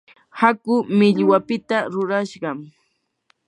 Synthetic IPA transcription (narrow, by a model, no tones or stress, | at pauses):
hakʊmɪʎwapɪt̪aɾʊɾaʃɢɑm